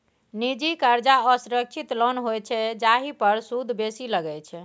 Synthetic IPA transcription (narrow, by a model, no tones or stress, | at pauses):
nid͡ʒikəɾd͡ʒaəsuɾək̚t͡ʃʰit̪lɔnɦojt͡ʃʰɛd͡ʒaɦipəɾsud̪ʱbesiləɡɛt͡ʃʰ